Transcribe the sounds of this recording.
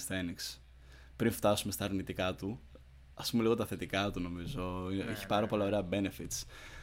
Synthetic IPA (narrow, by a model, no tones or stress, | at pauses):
sθeniks | pɾinft̪ɐsume̞st̪ɐːɾnit̪ikɐt̪u | ɐspumeliɣo̞t̪ɐθe̞t̪ikɐt̪uno̞mizo̞eçi̥pɐɾɐpo̞lɐoɾe̞ɐbe̞ne̞fit̪s